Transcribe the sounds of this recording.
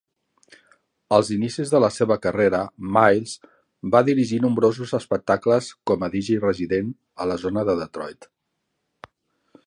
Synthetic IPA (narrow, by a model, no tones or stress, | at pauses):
əlˠzinisizðələseβ̞əkəreɾəmajlˠz | baðiɾiʒinumbɾozuzəspək̚t̪akləskɔməðiʒijrəziðen | ələzonəðəðət̪ɾɔjt̪